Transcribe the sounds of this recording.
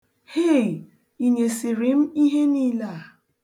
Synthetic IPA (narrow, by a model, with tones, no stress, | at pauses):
he˦˨ | i˨ɲe˨si˨ɾi˨m̩˦i˦ɦe˦niː˦la˦˨